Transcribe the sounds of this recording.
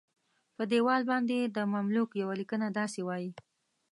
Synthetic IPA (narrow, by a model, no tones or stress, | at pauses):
pəd̪ewɑlbɑnd̪ed̪əmamlukjawalikənad̪ɑsewɑji